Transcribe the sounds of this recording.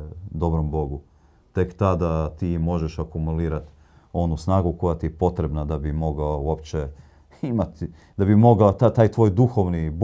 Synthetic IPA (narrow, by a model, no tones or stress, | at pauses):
d̪o̞bɾo̞mbo̞ɡu | t̪e̞kt̪ad̪at̪iːmo̞ʒeʃakumuliːɾat̪ | o̞nusnaːɡuko̞jat̪iepo̞t̪ɾe̞bnad̪abimo̞ɡaouopt͡ʃe | imat̪ | d̪abimo̞ɡaot̪at̪aːjt̪ʋojd̪uxo̞ʋnib